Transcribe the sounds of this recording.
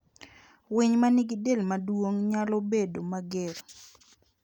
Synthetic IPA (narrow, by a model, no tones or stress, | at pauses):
wiɲmanɪɡɪdelmadwoŋɲalɔbedomaɡɪr